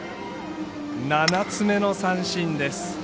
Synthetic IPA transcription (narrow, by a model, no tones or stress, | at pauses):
nanat͡sɨme̞no̞sãɰ̃ɕĩnd̪e̞sɨ̥